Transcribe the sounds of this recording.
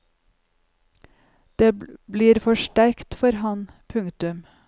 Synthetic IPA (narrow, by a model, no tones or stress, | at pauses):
d̪̥eːbliːɾfɔʃʈæɾkt̪fɔɾhɑn | pʰʉŋt̪ʉm